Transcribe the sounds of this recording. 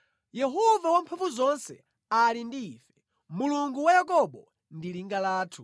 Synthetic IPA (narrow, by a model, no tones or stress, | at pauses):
jɛɦɔvawampʰavuzɔnsɛ̰ | alindiːfɛ̥ | muluŋɡuwajakɔɓɔ | ndiliŋɡalaːtʰu